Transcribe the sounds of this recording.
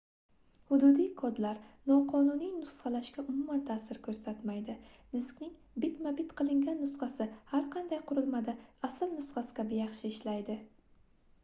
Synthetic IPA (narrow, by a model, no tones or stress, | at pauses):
hʊd̪ʊd̪ijkʰɒd̪laɾnɒqʰɒnunijnʊsχɑlaʃkʲaʔʊmumant̪ʰasɪɾkʰɵɾsat̪majd̪ɪnɪskʲnɪŋ | bɪt̪mabɪt̪qʰɨlˠɪŋɡʲanːʊsχɑsɪhaɾqʰɑnd̪ajqʰʊɾɪlˠmad̪ɪasɪlnʊsχɑsɪ̥kʲʰabɪjɑχʃɪɪʃlajd̪ɪ